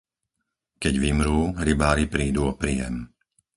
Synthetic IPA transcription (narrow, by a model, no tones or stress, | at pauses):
kɛɟʋimɾuːɦɾibaːɾipɾiːd̪uɔpɾiːjɛ̰m